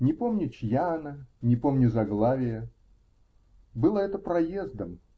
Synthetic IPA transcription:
nʲɪpo̞mnʲʊt͡ɕjaːnanʲɪpo̞mnʲʊzɐɡlˠavʲɪjə | bɨlˠəɛt̪əpɾɐjezd̪əm

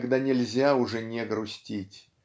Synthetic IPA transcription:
ɡd̪anʲɪlʲzʲaʊʐɛnʲeɡɾʊsʲtʲitʲ

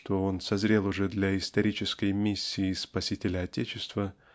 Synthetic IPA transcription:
t̪o̞o̞nsɐzɾʲe̞lˠʊʐɛd̪lʲɐɪst̪ɐɾʲit͡ɕɪskəjmʲisʲːiːspɐsʲitʲɪlʲəɐtʲet͡ɕɪst̪və

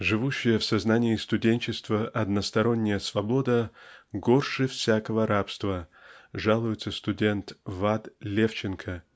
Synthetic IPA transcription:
ʐɨvuɕːɪjəfsɐznanʲɪɪst̪ʊdʲenʲt͡ɕɪst̪vəʔɐd̪nəst̪ɐɾo̞nʲːɪjəsvɐbo̞d̪əɡo̞rʂɨfsʲakəvəɾapst̪vəʐalˠʊjɪt̪səst̪ʊdʲe̞nt̪vat̪lʲeft͡ɕɪnkʰə

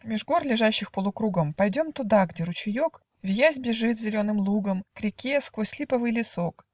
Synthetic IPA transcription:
mʲɪʐɡo̞rlʲɪʐaɕːɪxpəlˠʊkɾuɡəmpɐjdʲo̞mt̪ʊd̪aɡdʲe̞ɾʊt͡ɕɪjo̞k | vʲjæzʲbʲɪʐɨt̪zʲɪlʲo̞nɨmlˠuɡəmkɾʲɪkʲeskvosʲlʲipəvɨjlʲɪso̞k

